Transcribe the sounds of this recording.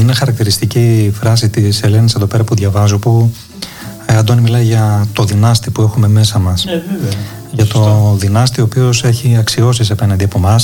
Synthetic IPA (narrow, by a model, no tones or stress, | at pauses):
ine̞xɐɾɐk̚t̪iɾist̪icifɾɐsit̪ise̞le̞niseðo̞pe̞ɾɐpuðʝɐvɐzopu | ɐd̪onimilɐjʝɐt̪o̞ðinɐst̪ipue̞xume̞me̞sɐmɐs | ʝɐt̪o̞ðinɐst̪io̞ːpio̞se̞çiɐksio̞sis̬ɐpe̞nɐnd̪iɐpo̞mɐs